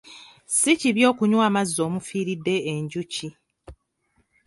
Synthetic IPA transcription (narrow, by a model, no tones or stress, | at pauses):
siciβjo̞ːkuɲwaːmazːo̞ːmufiːɾidːe̞ːɲɟuci